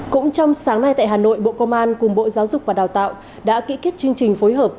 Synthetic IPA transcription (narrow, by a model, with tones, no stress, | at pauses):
kʊ̰˧˥ŋ͡mt͡ɕɔ˧wŋ͡msaː˨˦ŋna˧jt̪a̰ː˧˨jɦaː˨˩no̰˧˨jɓo̰˧˨kə˧mʔaː˧nkʊ˨˩ŋ͡mɓo̰˧˨zaː˨˦wzʊ˨˩k͡p̚vaː˨˩ɗaː˨˩wt̪a̰ː˧˨w | ɗa̰ː˧˥kḭ˧˥ki˦˥t̚t͡ɕɨ˧əŋt͡ɕï˨˩ŋ̟foː˨˦jɦəː˨˩p̚